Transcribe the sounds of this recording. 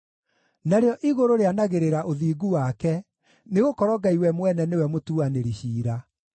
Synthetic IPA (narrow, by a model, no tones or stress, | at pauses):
naɾeɔʔiɣoɾoɾeanaɣeɾeɾaʔoðiːɡuwakɛ | neɣokɔɾɔɡaiwɛmwɛnɛnewɛmotuaneɾiɕiːɾa